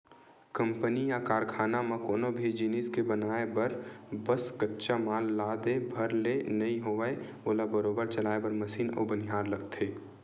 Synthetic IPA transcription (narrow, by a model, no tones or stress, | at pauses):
kə̃mpənijakaːɾkʰaːnamãkoːnobʱid͡ʒiːniːskebənaːebɐɾbəskətːʃamaːlːaːd̪ebʱɐɾlenɐĩɦoːʋəe | oːlabəɾoːbəɾt͡ʃɐlaːebɐɾməsiːnɔ̰ːbəniɦaːɾləɡt̪ʰeː